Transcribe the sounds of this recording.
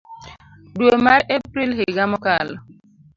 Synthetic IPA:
duomaɾepɾilɦeɡamɔkalɔ

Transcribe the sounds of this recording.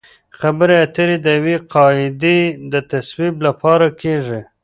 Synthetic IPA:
xabəɾeat̪əɾed̪əjweqɑɪd̪ed̪ət̪aswiblapɑɾakʰeʐi

